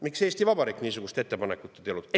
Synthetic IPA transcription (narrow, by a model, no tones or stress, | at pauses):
mikse̞ːst̪ivɑbɑɾiːkːniːsuɡ̥ust̪e̞t̪ːe̞pɑnekːˑut̪ːˑet̪eolud̪̥